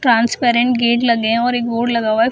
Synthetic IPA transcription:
ʈɾãːnspeːɾɛ̃ɳʈ̚ɡeːʈlɐɡeɦɔːɾeːkboːɖlɐɡaːʋaɦɛ

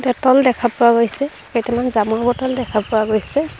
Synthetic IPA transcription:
dɛtɔldɛkʰapʊaɡojsɛ | ketɛmanzamɔɹbɔtɔldɛkʰapʊwaɡojsɛ

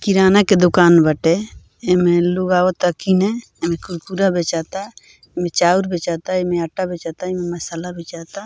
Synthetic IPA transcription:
kiɾaːnaked̪ʊkaːnbəʈe | emẽluɡaːot̪əkinɛ | emẽkʊɾkuɾabet͡ʃaːt̪a | emẽt͡ʃaːuɾbet͡ʃaːt̪aemeəʈabʱeːt͡ʃaːt̪aememəsalabʱeːt͡ʃaːt̪a

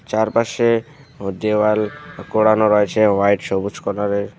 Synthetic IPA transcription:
t͡ʃaɾpaʃe | d̪eʋalkoɽanɔɾɔjet͡ʃʰeʋajʈsɔbut͡ʃʰkɔnaɾe

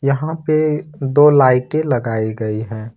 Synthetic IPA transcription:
jɐɦãped̪oːlaːɪʈẽlɐɡaːiɡəiɦɛ̃ː

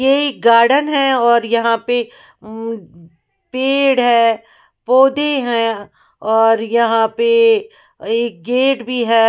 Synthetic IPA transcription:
jeeːk̚ɡaːɾɖənɦɛ̃ɔːɾjɐɦãpe | peːɽɦɛː | poːd̪eɦɛ̃ | ɔːɾjɐɦãpe | eːk̚ɡeːʈbʱiɦɛː

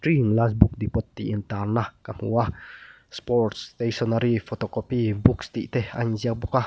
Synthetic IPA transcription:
ɾiŋlasbuk̚d̪ipɔt̪ːiːnt̪arnahkamuah | spɔɾt̪st̪esɔnaɾifot̪okopibukst̪iʔt̪eha̰ɲziak̚bukah

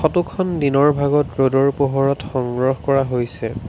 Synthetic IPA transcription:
xɔtukʰɔndinɔɹbʱaɡɔt̚ɹodɔɹpoɦɔɹɔtxɔŋɡɹɔxkɔɹaɦojsɛ

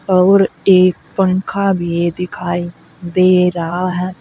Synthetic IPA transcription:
ɔːɾeːk̚pəŋkʰabʱied̪ɪkʰaːi | d̪eːɾɐɦaɦɛː

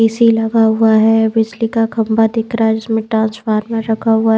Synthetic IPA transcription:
eːsilɐɡaɦʊaɦɛbɪd͡ʒlikakʰɐ̃mbʱad̪ɪkʰɾaɦɛd͡ʒɪsmẽʈɾãːnsfaːɾmẽɾɐkʰaɦʊa

